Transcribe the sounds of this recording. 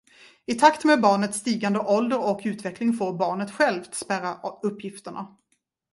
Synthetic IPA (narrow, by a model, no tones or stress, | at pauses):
ɪt̪ʰakt̪meːbɑːɳət̪st̪iːɡand̪əʔɔld̪əɾɔkʉ̟ːt̪vɛklɪŋfoːɾbɑːɳət̪ɧɛlvt̪spæɾaɵpːjɪft̪əɳa̰